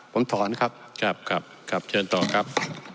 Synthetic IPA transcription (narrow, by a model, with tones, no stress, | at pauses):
pʰo˩˦mt̪ʰɔː˩˦nkʰa˦˥p̚kʰɾa˦˥p̚kʰɾa˦˥p̚kʰɾa˦˥p̚t͡ɕʰɤː˧nt̪ɔː˨˩kʰa˦˥p̚